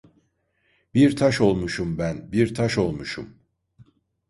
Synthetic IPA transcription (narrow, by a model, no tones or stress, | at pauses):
biɾt̪ʰaʃo̞lˠmuʃumbænbiɾt̪ʰaʃo̞lˠmuʃṵm